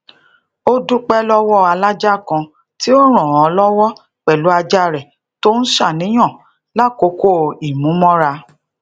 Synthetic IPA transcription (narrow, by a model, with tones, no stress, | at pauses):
o˦du˦k͡pɛ˦lɔ˦wɔ˦˨a˧la˦d͡ʒa˦˨kã˧ | ti˦o˦ɾ̃ɔ̃˨ɔ˨˧lɔ˦wɔ˦ | k͡pɛ˨lu˨˦a˧d͡ʒa˦˨ɾɛ˨ | to˦n̩˦ʃa˦˨nĩ˨˦j̃ɔ̃˦˨ | la˦˨ko˨˦ko˦˨i˨mũ˨˦mɔ̃˦ɾa˧